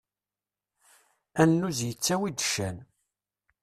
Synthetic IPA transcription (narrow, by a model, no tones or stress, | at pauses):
ænːuzjət͡sːæwid̪ʃæn